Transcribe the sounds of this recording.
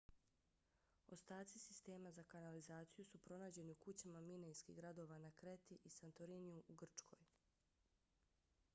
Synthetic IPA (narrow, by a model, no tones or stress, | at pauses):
ost̪aːt̪sisist̪e̞ːmazakanalizaːt̪sijusupɾo̞naːd͡ʑe̞niukut͡ɕamaminejskḭɡɾad̪o̞ːʋanakɾe̞t̪iʔisant̪oɾiniuʔuɡr̩t͡ʃkʰo̞̰j